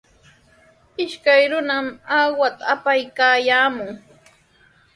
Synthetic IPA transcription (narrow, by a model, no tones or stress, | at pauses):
ɪʃkajɾʊnamawat̪aːpajkaːjaːmʊŋ